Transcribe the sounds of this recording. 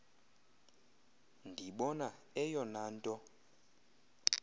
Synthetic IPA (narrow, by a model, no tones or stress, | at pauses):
ndʱiɓɔna | ɛjɔnaːntʼɔ